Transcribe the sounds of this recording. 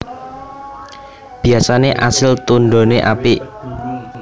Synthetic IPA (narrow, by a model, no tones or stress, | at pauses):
b̥i̤asaneʔa̰sɪlt̪unɖo̤neʔa̰piʔ